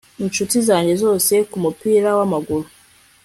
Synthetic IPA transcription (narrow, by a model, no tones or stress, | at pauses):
inʃutizaːɲɟe̞zo̞ːse̞kumupiːɾawamaɡuɾu